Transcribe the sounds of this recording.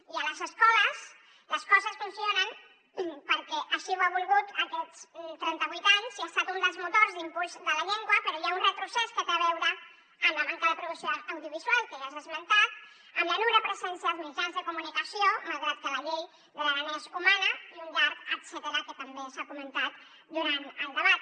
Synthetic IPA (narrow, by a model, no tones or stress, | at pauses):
iələzəskɔləs | ləskɔzəsfunsionən | pəɾkɛʔəʃiwaβ̞ulˠɣut̪əkɛt͡st̪ɾɛnt̪əβuijt̪aɲziast̪at̪und̪əlˠzmut̪orzd̪impulˠzðələʎeŋɡwəpəɾɔjaunrət̪ɾusɛskət̪eaβɛwɾə | ənləmaŋkəðəpɾuðuksioːwðiuβ̞izwalˠkəʒazðəzmənt̪at̪ | əmbənuɾəpɾəzɛnsiaəlˠzmid͡ʒanzðəkumunikəsiomalˠɣɾat̪̚kələʎej | d̪ələβənɛzumanəiumbaɾt̪ət̪sət̪əɾakət̪əmbesakumənt̪at̪ | d̪uɾant̪əlˠd̪əβat̪̚